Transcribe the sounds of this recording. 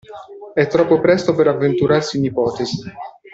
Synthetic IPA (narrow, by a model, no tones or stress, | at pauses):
ɛt̪ːɾɔpːopɾɛst̪opeɾavːent̪uɾarsiːnipɔːt̪ezi